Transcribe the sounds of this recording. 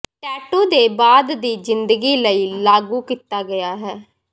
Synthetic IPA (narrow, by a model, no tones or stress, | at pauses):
ʈɛːʈõːd̪eːbaːd̪d̪iːzɪnd̪əɡiːləiːlaːɡuːkit̪aːɡɪjaːɦɛː